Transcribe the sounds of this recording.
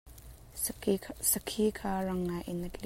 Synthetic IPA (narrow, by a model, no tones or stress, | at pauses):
sɐkʰikʰaːrɐŋːajʔɪnɐtli